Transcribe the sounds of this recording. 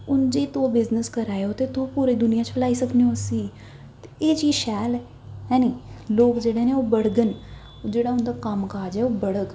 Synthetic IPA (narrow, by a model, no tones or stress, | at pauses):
ʊnd͡ʒeːt̪õːbɪznəskəɾaːeoːt̪eːt̪õpuːɾeːd̪ʊnɪjãːt͡ʃflaːiːsəkʰneõsiː | t̪eːt͡ʃiːʃɛːl | ɦɛ̃ːniːloːkd͡ʒeːɽeːneːoːbəɽɡən | d͡ʒeːɽaːʊnd̪aːkəmkaːd͡ʒɛːoːbəɽək